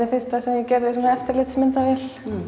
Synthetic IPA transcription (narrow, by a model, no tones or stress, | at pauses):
ɪfɪr̥st̪asɛmjɛcɛɾðɪsɛnaɛft̪ɪɾlɪt̪smɪnt̪avɛl̥